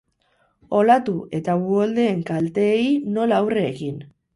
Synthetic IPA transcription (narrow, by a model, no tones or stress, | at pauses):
o̞lat̪ue̞t̪aβuold̪e̞ːŋkalt̪e̞jno̞laːwreːkin